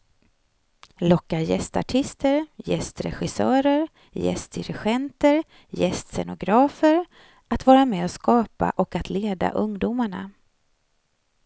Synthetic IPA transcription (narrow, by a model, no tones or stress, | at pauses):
lɔkːajɛst̪a̰ʈʰɪst̪əɾjɛst̪ɾɛ̰ɧɪsœːɾəɾ | jɛ̰st̪ɪɾɪɧɛnt̪əɾ | jɛst̪sɛnʊɡɾɑːfəɾ | at̪vɑːɾamɛːɔskɑːpa̰ʔɔkat̪ʰleːd̪a̰ʔɵŋd̪umaɳa̰